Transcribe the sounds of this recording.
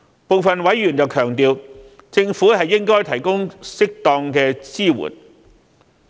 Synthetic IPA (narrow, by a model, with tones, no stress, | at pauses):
po˨wfɐ˨nwɐ˨˥jːyː˨˩njɐ˨wkʰœː˨˩ŋt̪iː˨˧w | t͡sɪ˧ŋfuː˨˥ɦɐ˨jːɪ˥ŋkɔː˥jt̪ʰɐ˨˩jkʊ˥ŋsɪ˥k̚t̪ɔː˧ŋkɛː˧t͡siː˥wṵː˨˩n